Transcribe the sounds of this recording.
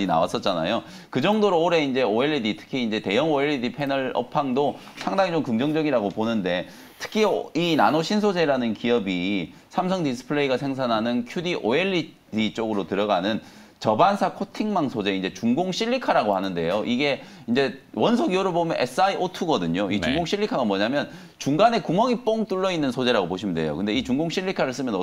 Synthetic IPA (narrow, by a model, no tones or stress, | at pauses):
ina̰was͈ʌt̚t͡ɕ͈ana̰jo | kɯd͡ʑʌŋdoɾoːɾe̞ind͡ʑe̞oeɭːiditʰɯ̥kʰiːnd͡ʑe̞te̞jʌŋoeɭːidipʰe̞nʌɭʌ̰pʰaŋdo | sʰaŋdaŋit͡ɕomkɯŋd͡ʑʌŋd͡ʑʌɡiɾaɡoponɯnde̞ | tʰɯ̥kʰiinanoɕʰins̬ʰod͡ʑe̞ɾanɯnkiʌbisʰamsʰʌŋdis̬͈ʰɯ̥pʰɯɭeiɡasʰe̞ŋs̬ʰanɦanɯnkʰjudiʔoeɭːi | dit͡ɕ͈oɡɯɾotɯɾʌɡanɯn | t͡ɕʌbansʰakʰotʰiŋmaŋsʰod͡ʑe̞ind͡ʑe̞t͡ɕuŋɡoŋɕ͈ʰiʎːikʰaɾaɡohanɯnde̞̰joʔiɡe̞ind͡ʑe̞wʌnsʰoɡioɾɯɭbomjʌnʔe̞s͈ɯaiʔotʰuɡʌdɯɲoit͡ɕuŋɡoŋɕ͈ʰiʎːikʰaɡamwʌɲamjʌn | t͡ɕuŋɡane̞kumʌŋip͈oŋt͈uɭːʌinːɯnsʰod͡ʑe̞ɾaɡopoɕʰimnde̞̰jo̰kɯnde̞it͡ɕuŋɡoŋɕ͈ʰiʎːikʰaɾɯɭs͈ɯmjʌnʌ